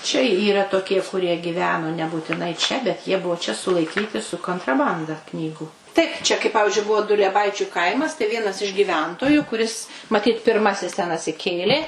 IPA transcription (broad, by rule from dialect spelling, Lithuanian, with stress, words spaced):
t͡ʃʲɛ iːˈrɐ toːˈkʲiɛ kʊˈrʲiɛ ɡʲɪˈʋʲæːnoː nʲɛbuːtʲɪˈnɐɪ ˈt͡ʃʲɛ bʲɛt ˈjiɛ ˈbuɔ t͡ʃʲɛ sʊlˠɐɪˈkʲiːtʲɪ sʊ koːntrɐˈbɐndɐ ˈknʲiːɡʊ ˈtɐɪp t͡ʃʲɛ kɐɪ ˈpɑːʋʲɪʒʲʊɪ ˈbʊʋoː dʊlʲiɛˈbɐɪt͡ʃʲʊ ˈkɐɪmɐs tɐɪ ˈʋʲiɛnɐs ɪʃ ɡʲiːˈʋʲɛntoːjʊ kʊˈrʲɪs mɐˈtʲiːt pʲɪrˈmɑːsʲɪs tʲɛn ɐtʲsʲɪˈkʲeːlʲeː